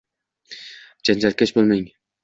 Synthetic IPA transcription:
d͡ʒand͡ʒalkʲet͡ʃbolˠmeŋ

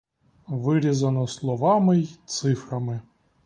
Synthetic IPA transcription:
ʋɨɾʲɪzɐnɔslˠɔʋamɨjt̪sɨfɾɐmɨ

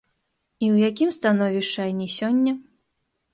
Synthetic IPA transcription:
iwjakʲimst̪anɔvʲiʂt͡ʂajnʲisʲɔnʲːɐ

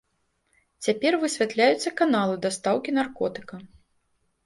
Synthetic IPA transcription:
t͡sʲapʲɛrvɨsʲvʲat̪lʲajut̪sːɐkanalˠɨd̪ast̪awkʲinarkɔt̪ɨ̥kɐ

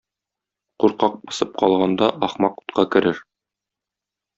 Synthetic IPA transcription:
quɾqɑq̚bɤ̆sɤp̚qɒlˠʁɑnd̪ɑʔɒχmɑqu̥t̪qɑkɘ̆ɾɘɾ

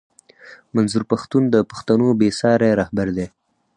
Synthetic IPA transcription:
manzuɾpaxt̪und̪əpḁxt̪anobesɑɾeɾɑhbaɾd̪e

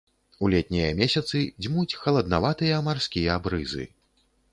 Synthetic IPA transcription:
ulʲɛt̪̚ʲnʲɛjɐmʲɛsʲɐt̪sɨd͡zʲmut͡sʲxɐlˠɐd̪navat̪ɨjɐmarskʲijɐabɾɨzɨ̰

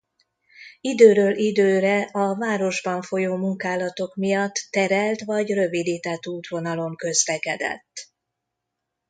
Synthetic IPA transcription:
id̪øːɾøːlʔid̪øːɾɛʔɒvaːɾo̞ʒbɒɱfo̞joːmuŋkaːlɒt̪o̞kmijɒt̪ːɛɾɛlt̪ʋɒɟrø̞vid̪iːt̪ɛt̪ːuːt̪ʋo̞nɒlo̞ŋkø̞zlɛkɛd̪ɛ̰t̪ː

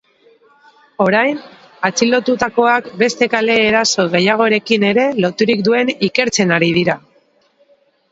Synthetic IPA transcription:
o̞ɾajn | at͡silo̞t̪ut̪ako̞akbe̞st̪e̞kale̞ːɾaso̞ɣ̞e̞jaɣ̞o̞eɾe̞kine̞ɾe̞lo̞t̪uɾik̚d̪ue̞nike̞ɾt͡se̞naɾið̞iɾa

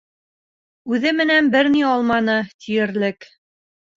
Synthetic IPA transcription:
ʉðɘmɘ̆nænbɘɾniɑlˠmɑnɤt̪ʰijɘ̆ɾlɘk

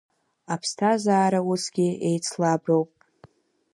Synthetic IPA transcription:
apʰstʰazaːɾausɡʲie̞jt͡sʰlabrowpʼ

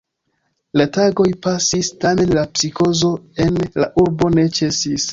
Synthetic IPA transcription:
lataɡo̞jpasistame̞nlapsiko̞zo̞e̞nlaʔuɾbo̞ne̞t͡ʃe̞sis

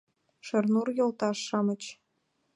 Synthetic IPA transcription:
ʃɤ̆rnurjɤ̆lˠt̪ɑʂːɑmɤ̆t͡ɕ

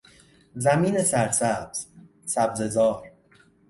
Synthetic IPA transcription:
zæmiːne̞sæɾsæbz̥ | sæbze̞zɒːɾ

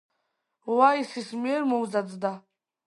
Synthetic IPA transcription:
waisismiɛɾmɔwzad̪d̪a

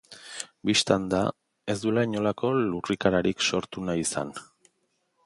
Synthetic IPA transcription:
biʃt̪and̪a | e̞zd̪ulaɲo̞lako̞lurikaɾaɾikso̞ɾt̪unaisa̰n

